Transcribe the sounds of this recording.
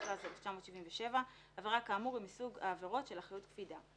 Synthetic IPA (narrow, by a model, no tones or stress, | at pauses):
tazeleft͡ʃamo̞tʃiviɱveʃe̞va | aveʁakaːmuʁimisuɡa̰ːveʁo̞tʃe̞laχajutkfida